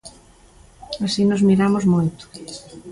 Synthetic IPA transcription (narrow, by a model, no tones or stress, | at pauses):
asinozmiɾamozmojt̪ʊ̥